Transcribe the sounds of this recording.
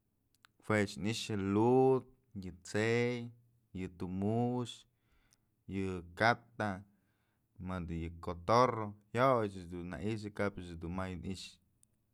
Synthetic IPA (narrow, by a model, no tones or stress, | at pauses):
fwet͡ʃniʃjɨlud̪̚ | jɨt͡sej | jɨt̪umuʃ | jɨkat̪a | mad̪ɨjɨkot̪orohjot͡ʃɨd̪unːa̰ʔiʃ̬ɨkapɨt͡ʃɨd̪unmajɨniʃ